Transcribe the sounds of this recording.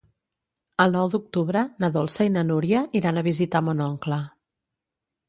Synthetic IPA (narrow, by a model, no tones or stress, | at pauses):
əlˠnɔwd̪uk̚t̪uβɾənəðɔlˠsəinənuɾjəiɾanəβizit̪amonɔŋklə